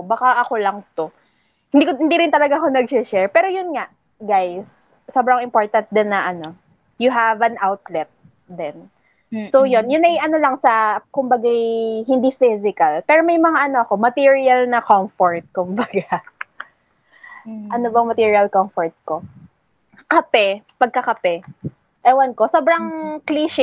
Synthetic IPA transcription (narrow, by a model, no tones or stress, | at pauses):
baːkaʔɐkolɐŋt̪o | hɪnd̪ikhɪnd̪iɾɪnt̪ɐlɐɡaʔɐko̞nɐɡ̚ʃɛʃɛɹpɛːɾo̞jʊnŋaʔ | ɡajs | sobɾɐŋɪmpoɹt̪ɐnt̪̚d̪ɛnːɐʔɐno̞ | jʊɦavɐnʔawt̪lɛt̪̚ | d̪ɛn | sojonjʊnɐjʔɐno̞lɐŋsɐkʊmbɐɡajɦɪnd̪ifɪzɪkɐlpɛːɾomɐjmɐŋaʔɐno̞ʔɐko̞mɐt̪iɹiɐlnɐkomfoɹt̪̚kʊmbɐɡa | ʔɐnobɐŋmɐt̪iːɹiɐlkomfoɹt̪̚ko | kɐpɛpɐɡ̚kɐkɐpɛ | ʔɛwɐnko̞so̞ːbɾɐŋkliːʃɪ